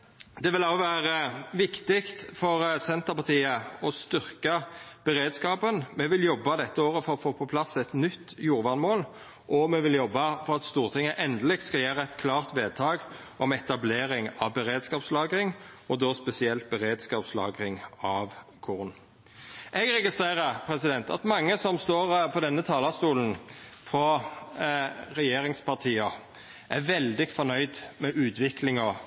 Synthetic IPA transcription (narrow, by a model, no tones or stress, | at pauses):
d̪ɛʋɪlɑɔʋæːʁəʋɪkt̪ɪkt̪fɔʁsɛnt̪əʁpɑʁt̪ʰiːəɔst̪ʏʁkɑb̥ɛɾeːd̪skɑːpənmɛʋɪljɔbːɑd̪ɛt̪ːəoːʁəfɔɾɔfoːpʰɔpʰlɑsɛt̪nʏt̪ːjuːʁʋɑʁnmoːl | ʔɔmɛʋɪljɔbːɑfɔʁɑt̪st̪uːʁt̪ʰɪŋːəʔɛnd̪əlɪk̚t̪skɑjæːʁəɛt̪kʰlɑːʁt̪ʋeːd̪̚t̪ʰɑːɡ | ɔmɛt̪ɑbleːɾɪŋɑʋbɛɾeːd̪skɑːpslɑːɡɾɪŋɔd̪oːspɛsɪɛlt̪̚bɛʁeːd̪skɑːpslɑ̰ːɡʁɪŋɑʋkʰʊʁn | ʔɛɡɾɛɡɪst̪ʁeːʁəɾpʰɾɛsɪd̪ɛnt̪ɑ̰t̪mɑŋːəsɔmst̪oːɾpʰɔd̪ɛnːət̪ʰɑːlɑst̪uːlən̩fɾɔ | ɾɛjeːɾɪŋspʰɑʁt̪ʰiːɑ | ʔæɾʋɛld̪ɪfɔnœʏd̪mɛʔʉːt̪ʋɪkʰlɪŋɔ